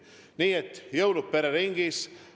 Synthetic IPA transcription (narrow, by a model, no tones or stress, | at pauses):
niːet̪jəwɾupːeɾaɾiŋɡis